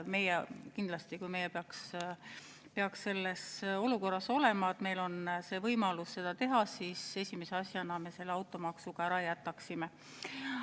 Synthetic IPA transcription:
me̞jɛkind̪̥lɑst̪ikujme̞jepeɑks | pe̞ɑksːe̞lːe̞so̞luko̞rːɑso̞le̞mɑet̪me̞jlo̞nse̞ːvɤjmɑlusːe̞d̪̥ɑt̪e̞ɦɑsiːse̞sʲimese̞ɑsjɑnɑme̞se̞lːeɑwt̪ːˑo̞mɑksuɡ̥ɑæɾɑjæt̪ːˑɑksime̞

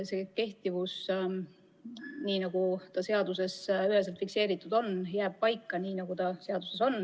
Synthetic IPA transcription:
se̞ke̞ht̪ivus | niːnɑɡ̥ut̪ɑse̞ɑd̪use̞syɦes̬elt̪fikse̞ːɾit̪ːˑud̪̥o̞njæːb̥̚pɑjkːˑɑniːnɑɡ̥ut̪ɑse̞ɑd̪̥use̞so̞n

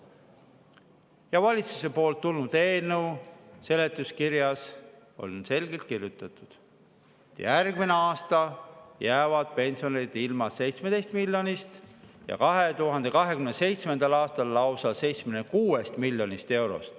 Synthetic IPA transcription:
jɑvɑlʲit̪su̥se̞po̞ːlt̪ːulnud̪̥eːnuwse̞le̞t̪ːˑuskiɾjɑs | o̞̰lʲse̞lɡ̥e̞lt̪̚kirjut̪ːˑɑt̪ˑud̪̥ | t̪j̰jærɡmineɑːst̪ɑjæːvɑd̪̥̚pe̞nʲsio̞nid̪̥ilmɑsːe̞jt̪smed̪e̞jst̪milʲːjo̞nist̪jɑ̰kɑɦe̞t̪uɦɑnd̪̥e̞kɑɦe̞kymnese̞jt̪sme̞nd̪̥ɑlɑːst̪ɑlːɑwsɑse̞jt̪smenekuːe̞st̪milʲːjo̞nist̪e̞wɾo̞̰st̪

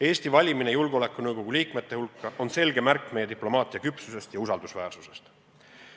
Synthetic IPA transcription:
e̞ːst̪ivɑlʲiminejulɡ̥o̞le̞kˑːunɤwɡ̥o̞ɡ̥ulʲiːkmet̪ːˑe̞hulkːɑʔo̞nse̞lɡe̞mærkːˑme̞jːe̞t̪iplo̞mɑːt̪ʲˑiɑkypsuse̞st̪jɑusɑld̪usvæːrsuse̞st̪

